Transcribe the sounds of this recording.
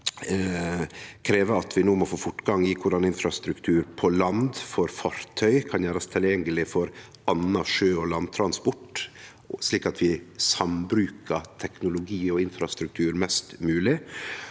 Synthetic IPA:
kʰɾeːʋəɑt̪ʰʋɪnuːmɔfoːfʊʈːɡɑŋɪkʰʊɖɑnɪnfɾɑst̪ɾʉkt̪ʰʉːɾpʰɔlɑnd̪fɔɾfɑɾt̪ʰœʏkʰɑnjæːɾɑst̪ʰɪljɛŋːəlɪfɔɾ | ɑnːɑʂøːɔlɑnt̪ʰɾɑnspɔʈː | sliːkɑt̪ʰʋɪsɑmbɾʉːkət̪ʰɛknʊlʊɡiːɔɪnfɾɑst̪ɾʉk̚t̪ʰʉːɾmɛst̪mʉːlɪ

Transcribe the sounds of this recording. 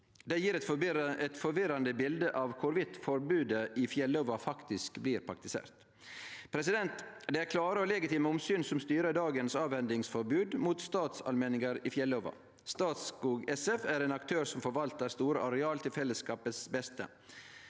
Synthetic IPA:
d̪ɛjiːɾɛt̪fɛt̪fɔɾʋɪɾɑnd̪əbɪld̪əʔɑʋkʰʊɾʋɪt̪fɔɾbʉːd̪əʔɪfjɛlɔʋɑfɑkt̪ɪskbliːɾpʰɾɑkt̪ɪsḛːɾt̪ | pʰɾɛsɪd̪ɛnt̪d̪ɛæɾkʰlɑːɾəɔlɛɡɪt̪ʰiːməʊmsyːnsɔmst̪yːɾəɖɑːɡənsɑːʋhɛnd̪ɪŋsfɔɾbʉːd̪muːt̪st̪ɑːt̪sɑ̰lmɛːnɪŋəɾifjɛlɔʋɑ̰ | st̪ɑːt̪skuːɡɛsɛfæɾeːnɑkt̪ʰøːɾsɔmfɔɾʋɑlt̪əɾst̪uːɾəʔɑɾɛɑːlt̪ʰɪlfɛlːəskɑːpət̪sbɛst̪ə̰

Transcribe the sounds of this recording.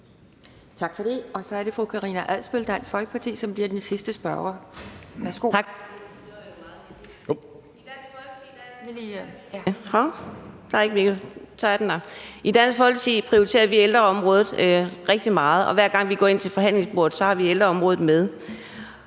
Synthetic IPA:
t͡sʰɑ̈ɡ̥fɒɾ̥e̝ɒ̽sɒ̽æɐɾe̝fʁukʰɑ̈ʁiːnæʔæl̰sb̥øld̥æn̰sɡ̥fɒ̽lɡ̥ə̥pʰɑ̈t͡sʰḭːsɒ̽mb̥liɐd̥ensisd̥əsb̥ɶɐʁɐʋæɐsɡ̥o̰̥ | d̥ænɡ̥fi̥ | hɒd̥ɑɐe̝ɡ̥əʋiɡ̥ət͡sʰɑdenɑʔid̥æn̰sɡ̥fɒ̽lɡ̥ət͡sʰḭpʰʁio̝ʁit͡sʰe̝̰ɐʋield̥ʁɐɒ̽mʁɔ̽ːðˠð̩ˠʁeɡ̥̚d̥imɑ̈ːð̞̩ˠɒ̽ʋæɐɡ̥ɑ̈ŋ̰ʋiɡ̥ɒ̰ːe̝n̰t͡sʰe̝lfɒ̽ɦæn̰le̝ŋsb̥o̰ːɐð̩ˠsɒ̽hɑ̈ʋield̥ʁɐɒ̽mʁɔːðð̩ˠmeð̞ˠ

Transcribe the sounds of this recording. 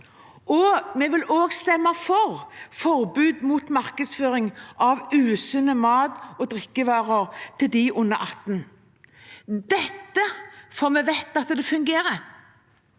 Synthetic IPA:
ʔɔmɛʋɪloːɡst̪ɛmːəfɔʁfɔʁbʉːd̪muːt̪mɑʁkəd̪sføːʁɪŋʔɑʋʉːsʉnəmɑːd̪ɔd̪ʁɪkːəʋɑːʁəʁt̪ʰɪld̪ɪʔʊnːəʔɑt̪ːn̩ | d̪ɛt̪ːəfɔʁmɛʋɛt̪ːɑt̪d̪ɛfʉŋɡeːɾə

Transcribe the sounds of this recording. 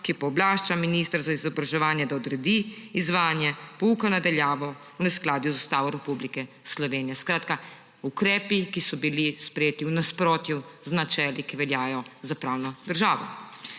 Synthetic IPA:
kipɔːblaːʃt͡ʃaminist̪əɾzaizɔbɾaʒɛʋaːnjɛd̪aɔd̪ɾɛd̪iːzʋaːnjɛpɔukɔnad̪aljaːʋɔ | unɛsklaːd̪juzast̪aːʋɔɾɛpublikɛ | slɔʋeːnijɛskɾaːt̪ka | ukɾɛːpikisɔbilispɾɛjeːt̪iwnaspɾoːt̪juznat͡ʃɛːlikiʋɛljaːjɔzapɾawnɔd̪əɾʒaːʋɔ̰

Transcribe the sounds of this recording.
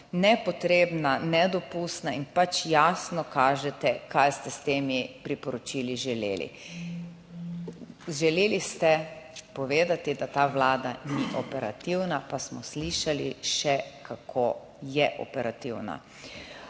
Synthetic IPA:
nɛpɔt̪ɾeːbnanɛd̪ɔpust̪nainpat͡ʃjaːsnɔkaːʒɛt̪ɛkajst̪ɛst̪eːmipɾipɔɾɔt͡ʃiːliʒɛlḛːlḭ | ʒɛleːlist̪ɛpɔʋeːd̪at̪id̪at̪aːʋlaːd̪aniʔɔpɛɾa̰t̪iwnapasmɔsliʃaliʃɛkʰakʰo | jɛʔɔ̰pɛɾat̪iwna̰

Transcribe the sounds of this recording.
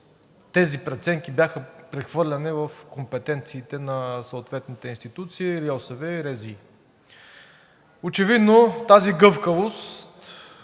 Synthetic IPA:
t̪ɛzipɾɛt̪sɛŋk̟ibʲjaxəpɾɛxvɤɾlʲɐnivɐfkompɛt̪ɛnt̪siːt̪ɛnɐsɐoːt̪vɛt̪nit̪ɛinst̪it̪ut̪siːɾiɛsovɛiɾɛzi | ot͡ʃɛvid̪not̪aziɡɤfkəvost̪

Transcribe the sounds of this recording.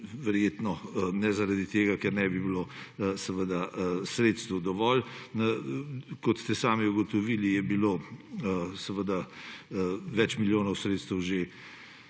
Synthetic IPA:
ʋɛɾjeːt̪nɔnɛzaɾad̪it̪eːɡakɛɾnɛbibilo | sɛʋəd̪asɾeːt̪st̪wd̪ɔʋɔlnəkɔt̪st̪ɛsaːmiuɡɔt̪ɔʋiːlijɛbilo | sɛʋəd̪a | ʋɛt͡ʃmiljoːnɔwsɾeːt̪st̪əwʒe

